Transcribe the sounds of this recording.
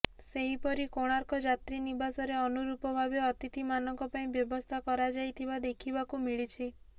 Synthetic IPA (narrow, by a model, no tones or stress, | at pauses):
seɦipɔɾikoɽ̃aɾkɔd͡ʒat̪ɾinibasɔɾeɔnuɾupɔbʱabeɔt̪it̪imanɔŋkɔpaĩbjɔbɔst̪ʰakɔɾad͡ʒajt̪ʰibad̪ekʰibakumiɭit͡ʃʰi